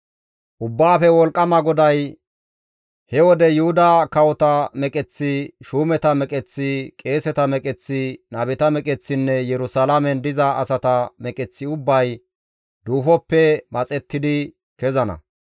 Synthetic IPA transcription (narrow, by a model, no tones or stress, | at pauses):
ʔʊbːaːfɛwɔlkʼːɐmɐɡɔd̪ɐj | hɛwɔd̪ɛjʊhʊd̪ɐkɐwɔt̪ɐmɛkʼɛt͡sːɪʃuːmɛt̪ɐmɛkʼɛt͡sːɪkʼe̞ːsɛt̪ɐmɛkʼɛt͡sːɪnɐbɪt̪ɐmɛkʼɛt͡sːɪnːɛjɛɾʊsalɐmɛnd̪ɪzɐʔɐsɐt̪ɐmɛkʼɛt͡sːɪʊbːɐj | d̪uːfɔpːɛmɐt͡sʼɛt̪ːɪd̪ɪ | kɛzɐnɐ̰